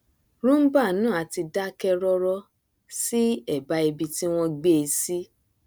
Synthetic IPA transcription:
ɾũ˦m̩˦ba˦˨nũː˦˨a˨˧ti˧da˦kɛ˦ɾɔ˦ɾɔ˦ | si˦ɛ˦˨ba˦e˧bi˧ti˦w̃ɔ̃˧ɡ͡be˦˧si˦

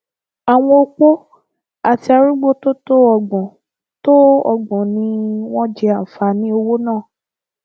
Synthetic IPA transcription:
a˨w̃ɔ̃˧o˧k͡po˦ | a˨ti˧˦a˧ɾu˦ɡ͡bo˦to˦to˦ɔ˦˨ɡ͡bɔ̃˨ | to˦ɔ˧ɡ͡bɔ̃˨nĩ˧w̃ɔ̃˦d͡ʒɛ˧a˨fa˧nĩ˦o˧wo˦nãː˦˨

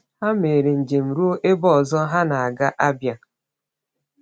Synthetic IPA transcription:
ha˦me˨ɾe˨n̩˨d͡ʒe˨m̩˨ɾu˦o˦ʔe˦bɔ˦ɔ˨zɔ˦ɦa˦na˨a˨ɡa˦ʔa˦bja˨

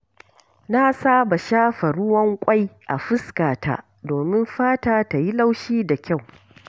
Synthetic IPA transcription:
na˦saː˦ba˨ʃaː˦ɸa˨ɽʊ˦wɐ˦ŋkʷʼa˦jʔa̰˨ɸɪ˦skaː˨ta̰˦ | doː˨mɪ˦mɸaː˦taː˨ta˨ji˦la˦wʃiː˦da˨kʲa˦˨w

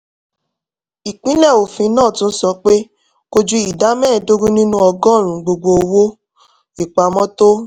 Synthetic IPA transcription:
i˨k͡pĩ˦lɛ˦˨o˨fĩ˧˦nãː˦˨tũ˦n̩˦sɔ˧k͡pe˦ | ko˧d͡ʒu˦i˨da˨˦mɛ̃˦˨do˦ɡũ˦nĩ˦nũ˦ɔ˧ɡɔ̃˦˨ɾ̃ũ˨˦ɡ͡bo˧ɡ͡bo˧o˧wo˦ | i˦˨k͡pa˨mɔ̃˦to˦

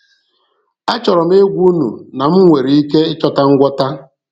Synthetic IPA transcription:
a˦t͡ʃɔ˨ɾɔ˨m̩˦e˦ɡʷu˦nṵ˨na˨m̩˦ŋʷe˨ɾi˨i˦ke˦ɪ˦t͡ʃɔ˦ta˦ŋ̩˦ɡʷɔ˦ta˦

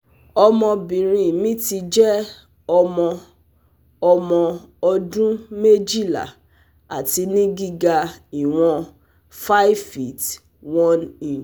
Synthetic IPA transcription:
ɔ˧mɔ̃˧bĩ˨ɾ̃ĩ˨mĩ˦ti˧d͡ʒɛ˦ | ɔ˧mɔ̃˧ | ɔ˧mɔ̃˧ɔ˧dũ˦me˦d͡ʒi˦˨la̰˨ | a̰˨ti˧nĩ˦ɡi˦ɡa˧i˨w̃ɔ̃˧ | fa˦i˦fi˦t | wɔ̃˦ni˨n

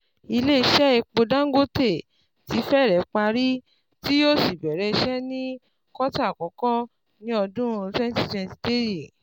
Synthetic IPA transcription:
i˧le˦i˧ʃɛ˦i˧k͡po˧dã˦ŋ˦ɡo˦te˦˨ | ti˨˧˦fɛ˦˨ɾɛ˨˦k͡pa˧ɾi˦ | ti˦jo˦˨si˨bɛ˨ɾɛ˨˦˧ʃɛ˦nĩ˦ | kɔ˦ta˦˨kɔ˨˦kɔ˦ | nĩ˦ɔ˧dũ˦ɾũ˧˦tɛ˦n˦ti˧sɛ̃˧nti̥˧te˦ji˨

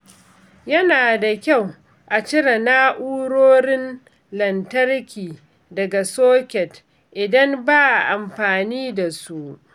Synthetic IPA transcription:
jɐ˦naː˨da˨kʲa˦˨w | ʔa˨t͡ʃɪ˦ɽa˨naː˦ʔuː˦ɽoː˦ɾɪ˦n | lɐ˨ntɐ˦rkʲiː˨ | dɐ˨ɡa˨soː˦kʲɛ˨t | ʔɪ˨dɐ˦mbaː˦ʔʔa˨mɸaː˨niː˦da˨su˦ʔ

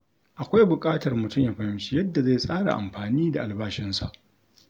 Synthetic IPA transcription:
ʔa˨kʷa˦jbʊ˨kʼaː˦tɐ˨rmʊ˨tʊ˦mjaː˨ɸɐ˨hɪ˦mʃi˦jɐ˦dːa˨za˦˨sʼaː˦ɽa̰˨ʔa̰˨mɸaː˨niː˦da˨ʔa˨lbaː˦ʃɪ˦nsa̰˦˨ʔ

